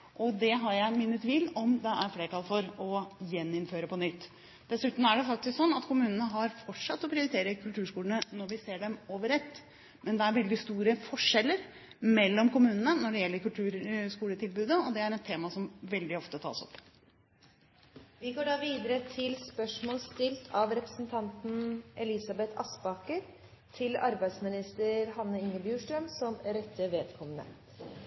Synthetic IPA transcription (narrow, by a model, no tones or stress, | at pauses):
ʔɔd̪ɛɦɑɾjæɪmɪnːət̪ʋɪlːɔmd̪ɛʔæɾfleːʈɑlfɔɾɔjɛnːɪnføːɾəpɔnʏt̪ː | d̪̥ɛsʉːt̪m̩æɖɛfɑkt̪ɪsksɔnːɑt̪kʰʊmʉːnənəɦɑɾfɔʈʂɑt̪ːɔpʰɾɪʊɾɪt̪ʰeːɾəkʰʉlt̪ʰʉːʂkuːlənənɔɾʋɪseːɖɛmoːʋəɾɛt̪ː | mʔɛnd̪ɛæɾʋɛld̪ɪst̪uːɾəfɔʂɛlːəɾ | mɛlːɔmkʊmʉːnənənɔɖɛjɛlːəɾkʉlt̪ʰʉːɾskuːlət̪ʰɪlbʉːd̪əɔd̪ɛæɾɛt̪ʰːeːmɑsɔmʋɛld̪ɪɔft̪ət̪ʰɑ̰ːsɔ̰pː | ʋɪɡoːɖɑːʋiːd̪əɾət̪ʰɪlspœʂmoːlst̪ɪlt̪ʰɑʋɾɛpɾə̥sənt̪ʰɑnt̪n̩ʔɛlɪsɑbɛt̪ʰɑsbɑkəɾ | t̪ʰɪlɑɾbæɪd̪smɪnɪst̪əɾhɑnːəɪŋːəɾbjʉːʂʈɾəmsɔmɾɛt̪ʰːəʋeːd̪kʰɔmːənə̰